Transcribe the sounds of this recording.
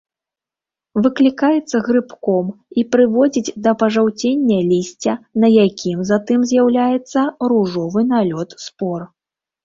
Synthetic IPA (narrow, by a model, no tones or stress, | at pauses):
vɨklʲikajɛt̪sːɐɣɾɨpkɔmipɾɨvɔd͡zʲid͡zʲd̪ɐpɐʐawt͡sʲenʲːɐlʲisʲt͡sʲɐnɐjakʲʰimzat̪ɨmzʲjawlʲajɛt̪sːɐɾuʐɔvɨnalʲɔt̪spɔr